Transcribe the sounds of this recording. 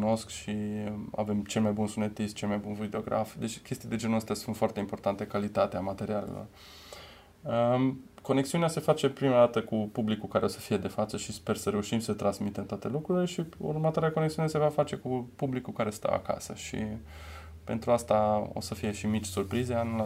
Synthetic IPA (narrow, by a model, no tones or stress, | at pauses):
kuno̞skʃia̰ve̞mt͡ʃe̞lmajbunsune̞t̪ist̪t͡ʃe̞lmajbunvid̪eo̞ɡɾa̰fd̪et͡ʃʲkʲe̞st̪id̪e̞d͡ʒenuəst̪easunt̪foart̪e̞impo̞rt̪ant̪e̞kalit̪at̪eamat̪e̞ɾiale̞̰lo̞̰r | əko̞ne̞ksiunease̞fat͡ʃe̞pɾimad̪at̪əkupublikukaɾe̞o̞sə̥fije̞d̪e̞fat̪səʃispe̞rsəɾe̞uʃimsət̪ɾansmit̪e̞mt̪oat̪e̞lukɾuɾile̞ʃiṵrmət̪oaɾeako̞neksiunese̞vafat͡ʃe̞kupublikukaɾe̞st̪a̰wa̰ka̰sə̰ʃḭ | pe̞̰nt̪ɾuast̪ao̞̰səfije̞ʃimit͡ʃʲsurpɾizeanl